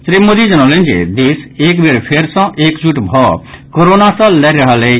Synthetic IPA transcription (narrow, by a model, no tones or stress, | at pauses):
sɾimoːd̪id͡ʒɐnɔlẽnd͡ʒḛd̪eːseːk̬beɾpʰeɾsãʔeːkd͡ʒuʈbʱɔkoɾoːnasãlɛɾɐɦale